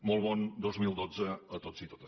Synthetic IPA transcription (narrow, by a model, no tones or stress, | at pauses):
mɔlˠβɔnd̪ozmilˠd̪od͡zəət̪oz̥it̪o̥t̪ə̥s